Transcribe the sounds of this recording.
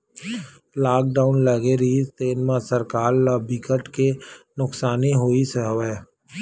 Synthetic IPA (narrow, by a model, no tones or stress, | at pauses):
laːk̚ɖaːʊnlɐɡeɾiːst̪eːnmãsəɾkaːɾlabikəʈkenʊksaːniɦoːisəɦʋɛː